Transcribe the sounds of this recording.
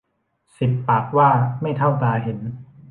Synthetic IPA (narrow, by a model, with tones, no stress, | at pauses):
si˨˩pːaː˨˩k̚waː˥˩ma˥˩jt̪ʰa˥˩wt̪aː˧ɦe˩˦n